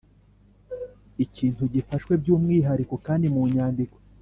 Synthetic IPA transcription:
iciːntuɟifaʃwe̞bɟuːmŋiːɦaɾiko̞kaːndimuɲaːndikwo

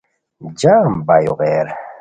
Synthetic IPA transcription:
d͡ʑaːmbajuɣeːɾ

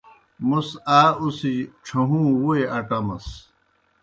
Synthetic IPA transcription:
musaːusiʈ͡ʂʰuɦũːwueʔɐʈɐmɐ̰s

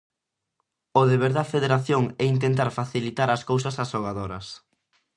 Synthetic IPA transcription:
ʊðeβeɾðɐfeðeɾaθjoŋɛint̪̬ent̪̬aɾfaθilit̪aɾɐskowsɐsasoɣaðoɾɐs

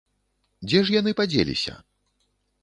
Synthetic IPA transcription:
d͡zʲɛʐjanɨpad͡zʲḛlʲḭsʲɐ̰

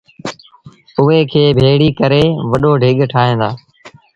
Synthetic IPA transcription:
ʊɦeːkʰeːbʱeːɽiːkəɾeːʋəɗoːɖʱɪɠʈʰaːɦẽːnd̪aː

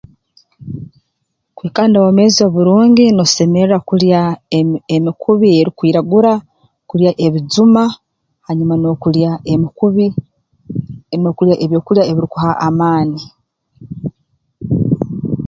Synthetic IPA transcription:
kweːkaːndawome̞ːzio̞βuɾuːɲɟinose̞meɾakuɾja | emikʰuβieɾikwiːɾaɡuɾa | kuɾjaʔeβizuma | haɲumanokuɾjai | nokuɾjaʔeβjokuɾjaeβiɾikuhaʔamaːni

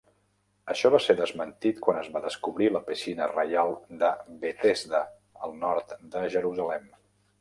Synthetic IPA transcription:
əʃɔβaseðəzmənt̪it̪kwanəzβaðəskuβɾiləpisinərəjalˠd̪əβet̪ezd̪ə | əlˠnɔɾt̪d̪əʒəɾuzəlɛm

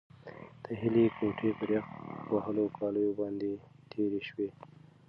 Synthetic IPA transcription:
d̪̥əɦɪlekʰoʈʰepəɾjaxtwaɦəlokʰɑləjobɑnd̪e | ʈʰeɾeʃwe

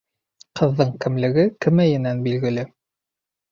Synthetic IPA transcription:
qʰɤ̆ðːɤɴkɘ̆mlɘ̆ɡɘkɘ̆mæjɘ̆nænbilɡɘ̆lɘ

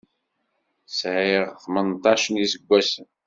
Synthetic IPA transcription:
sʕeʁθmənt̪ˤɑʃənjisəɡʷːæsən

